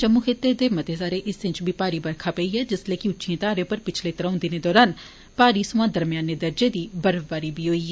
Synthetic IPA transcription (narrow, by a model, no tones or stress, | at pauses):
t͡ʃəmːuːkʰɪt̪ːed̪eːmət̪eːsaːɾeːʔɪsɪ̃nt͡ʃbʱiːpaːɾiːbəɾkʰaːpəiːɛːd͡ʒɪsleːkɪʊtːʃʰiẽːt̪aːɾẽõpəɾpɪt͡ʃʰleːt̪əɾãʊ̃nd̪ɪneːd̪ɔːɾaːn | paːɾiːsʊãːd̪əɾmɪjaːnːeːd̪əɾd͡ʒeːd̪iːbəɾbaːɾiːbiːɦoːiː